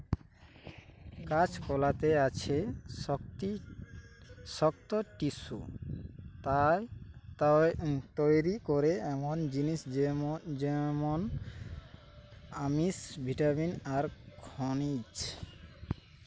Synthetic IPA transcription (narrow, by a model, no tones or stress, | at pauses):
kat͡ɕʰkɔlat̪eat͡ɕʰeɔt̪i | ʃɔk̚t̪oʈiʃṵ | t̪ajt̪at̪ojɾikoɾeɛmond͡ʑinis | d͡ʑɛmon | amisbʱiʈaminaɾkʰonid͡ʑ